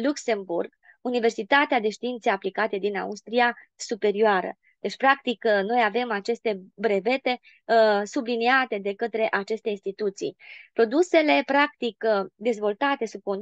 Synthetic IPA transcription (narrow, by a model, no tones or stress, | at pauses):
lukse̞mburɡ | unive̞rsit̪at̪ead̪e̞ʃt̪iint̪seaplikat̪e̞d̪ina̰ust̪ɾiasupe̞ɾioaɾə̰ | d̪̥e̞t͡ʃpɾakt̪ikno̞jave̞mat͡ʃe̞st̪e̞bɾe̞ve̞t̪e̞ | subliniat̪e̞d̪e̞kət̪ɾe̞ʔat͡ʃe̞st̪einst̪it̪ut̪sḭjpɾo̞d̪use̞le̞pɾak̚t̪ikd̪e̞zvo̞lt̪at̪e̞sub̚ko̞n